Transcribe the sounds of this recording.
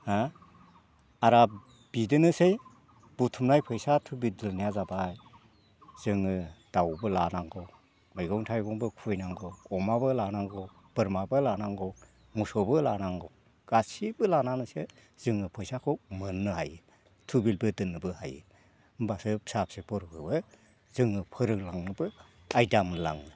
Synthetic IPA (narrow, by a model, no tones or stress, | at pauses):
ha | aɾa | b̥idɯnɯsej | b̥utʰumnajpʰɯjsatʰubildɯlnijazabaj | z̥ɯŋɯd̥awbɯlanaŋɡɯw | ɯjɡɔŋtʰajɡɔŋbɯkʰujnaŋɡɔɔmabɯlanaŋɡɔ | b̥ɯɾmabɯlanaŋɡɔ | musɔbɯlanaŋɡɔw | ɡ̥asibɯlananɯse | z̥ɯŋɯpʰɯjsakʰɔmɯnːɯhajɯ | tʰubilbɯdɯnːɯbɯha̰jɯ̰ | mbasɯpsapsepʰɔɾɯkʰɯbɯ | z̥ɯŋɯpʰɯɾɯklaŋnɯbɯ | ajdamɯla̰ŋnɯ